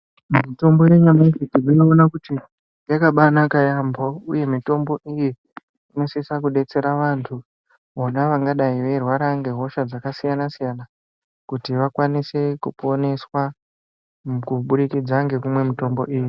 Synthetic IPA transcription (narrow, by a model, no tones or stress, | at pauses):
mito̞mbo̞jeɲamaifitimioonakuti | jakaɓanakajambouje̞mito̞mbo̞ʔiji | ino̞sisakuɗe̞t͡se̞ɾaʋantʰu | onaʋaŋɡaɗaiʋe̞rwaɾaŋɡe̞ɦo̞ʃad͡zakasijanasijana | kutiʋakwanise̞kupo̞ne̞swa | kuɓuɾikid͡zaŋɡe̞kumwe̞mito̞mbo̞̰ʔiːji